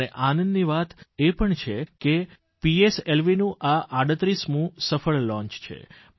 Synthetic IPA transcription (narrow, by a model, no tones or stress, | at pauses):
neʔanənd̪niʋat̪epəɳt͡ʃʰeke | pieselʋinũʔaʔaɽət̪ɾismũsəfəɭlɔ̃ɲt͡ʃt͡ʃʰḛ